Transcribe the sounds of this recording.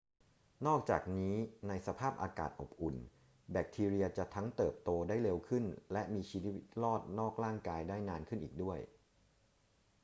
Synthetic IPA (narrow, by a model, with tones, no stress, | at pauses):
nɔː˥˩k̚t͡ɕa̰ː˨˩k̚niː˦˥na˧jsa˧pʰaː˥˩p̚ʔaː˧ka̰ː˨˩t̪̚ʔo̰˨˩p̚ʔu˨˩n | bɛ˨˩k̚t̪ʰiː˧ɾi˧ɐt͡ɕa˨˩t̪ʰa˦˥ŋt̪ɤː˨˩p̚t̪oː˧daː˥˩jle˧wkʰɯ˥˩nlɛ˦˥ʔmiː˧t͡ɕʰiː˧˦wi˦wi˦˥t̪̚lɔː˥˩t̪̚nɔː˥˩k̚ɾaː˥˩ŋkaː˧jdaː˥˩jnaː˧nkʰɯ˥˩nʔiː˨˩k̚du˥˩əj